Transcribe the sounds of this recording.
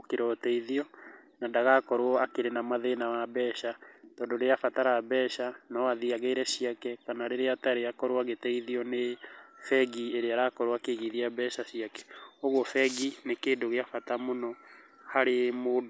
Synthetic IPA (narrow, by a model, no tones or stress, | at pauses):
keɾɔtɛiðiɔnandaɣakɔɾwɔakeɾenamaðenawabɛːʃatɔːndoɾeafataɾaβɛːʃanɔwaðiaɣeiɾɛɕiakɛkanaɾeɾeataɾeakɔɾwaɣetɛiðiɔnefɛɡieɾeaɾakɔɾwakeɣiðiabɛʃaɕiakɛ̥oɣwɔfɛɡinekeːndoɣeafatamonɔ | haɾemoːdo